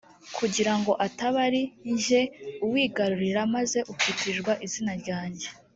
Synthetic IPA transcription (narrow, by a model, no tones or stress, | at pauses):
kʰuɟiɾaŋɡo̞ʔataβaɾiɲʒe̞uwiːɡaɾuɾiɾamaze̞ʔukwitiʒɡwaʔizinaɾɟaːɲɟe̞